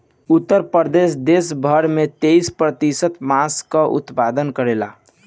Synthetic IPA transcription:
ʊt̪ːəɾpəɾd̪es̬d̪esbʱəɾmẽt̪eispɾət̪isət̪maskaʔʊ̰t̪pad̪ənkəɾela̰

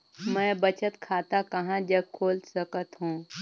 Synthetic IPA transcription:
mɛ̃ːbət͡ʃət̪kʰaːt̪akɐɦãd͡ʒəb̚kʰoːlsəkət̪ɦũː

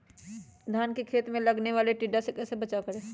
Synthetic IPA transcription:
d̪ʱjaːnkekʰeːt̪mẽlɐɡneʋaːleʈiːɖasekɛːsebɐt͡ʃakəɾẽː

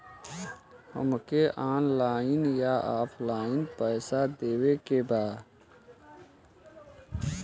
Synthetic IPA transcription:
hə̰mkeʔaːnlaːɪnjaaːpʰlaːɪnpɛːsad̪eːwekebaːd̪

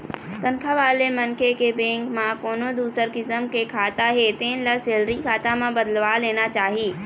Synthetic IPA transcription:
t̪ə̃ŋkʰaʋaːlemɐnkekebẽːŋkmãkoːnod̪uːsəɾkɪsəmkekʰaːt̪aɦet̪eːnlɐseːlɾikʰaːt̪amãbɐd̪əlʋaleːnat͡ʃaːɦiː

